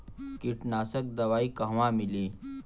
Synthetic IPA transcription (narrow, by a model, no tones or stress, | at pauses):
kiʈnaːsək̚d̪ɐʋaːikɐɦʋãːmɪleː